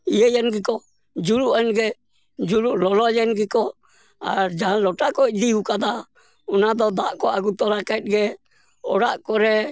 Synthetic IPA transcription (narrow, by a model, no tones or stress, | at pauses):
ijəjɛnɡɛkɔ | d͡ʒuɾuʔɛnɡɛ | d͡ʒuɾuʔlɔlɔjɛnɡɛkɔ | aɾd͡ʒaɦãlɔʈaʔkɔd̪ihukad̪a | ɔnad̪ɔd̪aʔkɔaɡut̪ɔɾakɛt̪̚ɡɛ | ɔ̰ɽaʔkɔɾɛ